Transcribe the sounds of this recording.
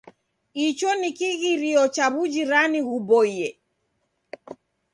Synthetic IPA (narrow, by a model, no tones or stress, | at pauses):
it͡ʃɔnikiɣiɾiɔt͡ʃaβud͡ʒiɾaniɣubɔiɛ